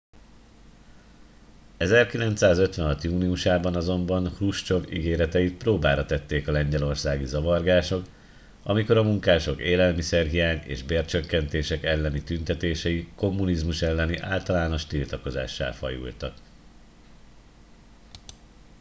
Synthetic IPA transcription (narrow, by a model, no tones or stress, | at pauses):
ɛzɛrkilɛn̪t̪saːzø̞t̪ʋɛnɦɒt̪juːniuʃaːbɒnɒzo̞mbɒnhruʃt͡ʃo̞vḭɡeːɾɛt̪ɛjit̪proːbaːɾɒt̪ɛt̪ːeːkɒlɛɲɟɛlo̞rsaːɡizɒvɒrɡaːʃo̞k | ɒ̰miko̞ɾɒmuŋkaːʃo̞keːlɛlmisɛrɦijaːɲḛːʒbeːrt͡ʃøkːɛnt̪eːʃɛkɛlːɛnit̪ynt̪ɛt̪eːʃɛiko̞mːunizmuʃɛlːɛniʔaːlt̪ɒlaːno̞ʃt̪ilt̪ɒko̞za̰ːʃːa̰ːlfɒ̰jṵlt̪ɒ̰k